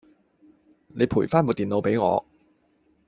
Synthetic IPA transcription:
ne˨˧jpʰuː˨˩jfaː˥nmoː˨˧t̪iː˨˩nlo˨˧wpe˨˥jŋɔ̰ː˨˧

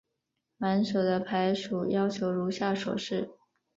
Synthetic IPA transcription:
ma˧˥nʂo˨˩d̪ə˦pʰa˧˥ɪʂu˨˩jɑ˥ʊt͡ɕʰjo˧˥ʊɻu˧˥ɕja˥˩ʂwɔ̰˨˩ʂɻ̩˥˩

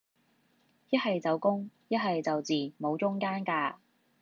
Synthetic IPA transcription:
jɐ˥t̚hɐ˨jt͡sɐ˨wkʊ˥ŋjɐ˥t̚ɦɐ˨jt͡sɐ˨wt͡siː˨˩mo˨˧wt͡sʊ˥ŋkaː˥nkaː˧

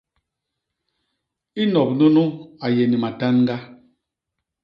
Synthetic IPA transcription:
i˦nɔ˨p̚nu˦nu˦a˨je˨ni˨ma˨ta˦nŋ˦ɡa˦

